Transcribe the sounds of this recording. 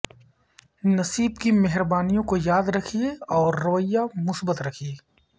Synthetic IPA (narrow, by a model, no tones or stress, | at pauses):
nɐsiːbkimɛɦɾbaːnijõkojaːd̪ɾɐkʰieɔːɾːɐʋəjːamʊsbət̪ɾɐkʰie